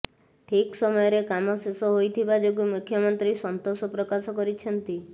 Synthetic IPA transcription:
ʈʰiksɔmɔjɔɾekamɔsesɔɦojt̪ʰibad͡ʒok̬umukʰjɔmɔnt̪ɾisɔnt̪osɔpɾɔkasɔkɔɾit͡ʃʰɔnt̪i

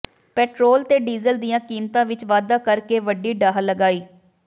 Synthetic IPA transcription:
pɛːʈɾoːlt̪eːɖiːzəld̪ijãːkiːmt̪ãːʋɪt͡ʃʋaːd̪ãːkəɾkeːʋəɖiːɖaːɦləɡaːiː

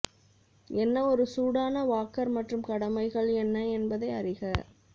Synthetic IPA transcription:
ɛnːɐɔɾɯsuːɽaːnɐʋaːkːɐɾmɐʈrɯmkɐɽɐmɐɪɣɐɭɛnːɐɛnbɐðɐɪɐrɪɣɐ

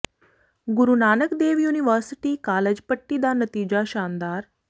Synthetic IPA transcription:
ɡuɾunaːnəkd̪eʋjuniʋəɾsiʈiːkaːləd͡ʑpəʈːiːd̪anət̪iːd͡ʑaɕand̪aɾ

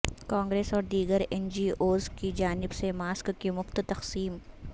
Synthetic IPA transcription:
kãːŋɡɾeːsɔːɾd̪iːɡəɾɛnd͡ʒiːʔoːzkid͡ʒaːnɪbsemaːskːimʊft̪t̪ɐqsiːm

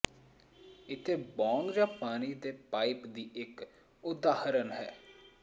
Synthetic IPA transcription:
ɪt̪ʰeːbɔːŋɡd͡ʒãːpaːñiːd̪eːpaːɪpd̪iːɪk | ʊd̪aːhəɾənɦɛ̰ː

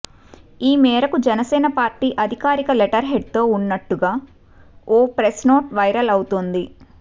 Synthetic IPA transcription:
iːmɛːɾɐkud͡ʒɛnɐsɛːnɐpaːɾʈiːʔɐd̪ʱikaːɾikɐleʈɐɾɦeɖ̚t̪o̞ːunːɐʈːuɡaː | oːpɾesno̞ːʈʋɐjɾɐlɐwut̪ond̪i

